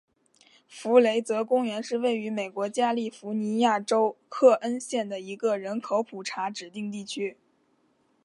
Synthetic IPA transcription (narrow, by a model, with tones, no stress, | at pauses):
fu˧˥le˧˥ɪt͡sɤ˧˥kʊ˥ŋɥɛ˧˥nʂɻ̩˥˧we˥˩ɪy˧˥me˨˩ɪkwɔ˧˥t͡ɕja˥li˥˩fu˧˥ni˧˥ja˥˩ʈ͡ʂo˥ʊkʰɤ˥˩ʔə˥nɕjɛ˥˩nd̪ə˩i˧˥ɡə˧ɻə˧˥nkʰo˧˥ʊpʰu˨˩ʈ͡ʂʰa˧˥ʈ͡ʂɻ̩˨˩t̪i˥˧ŋt̪i˥˩t͡ɕʰy˥